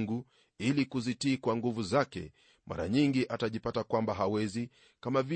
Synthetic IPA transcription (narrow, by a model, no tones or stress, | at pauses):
ŋɡu | ilikuzitiːkwaŋɡuvuzakɛ̰ | mʔa̰ɾa̰ɲiŋɡiʔataʄipatakwambaɦawɛzi | kamavi